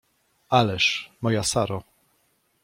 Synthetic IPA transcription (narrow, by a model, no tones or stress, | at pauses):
alɛʂmɔjasaɾɔ